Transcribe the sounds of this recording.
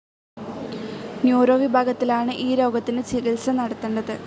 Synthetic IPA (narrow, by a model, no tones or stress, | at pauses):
njuːɾoːʋibʱaːɡɐt̪ːilaːɳɨʔiːlo̞ːɡɐt̪ːinɨt͡ɕiɣɐlsɐnɐɽɐt̪ːeːɳɖɐðɨ